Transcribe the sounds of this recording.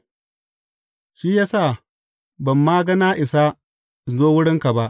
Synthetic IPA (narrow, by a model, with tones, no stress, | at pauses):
ʃiː˦jaː˦saː˦˨ | bɐ˨mːaː˦ɡɐ˦na˦ʔɪ˨sa˦˨ | zoː˦wʊ˦ɽɪ˦ŋka˨ba˦ʔ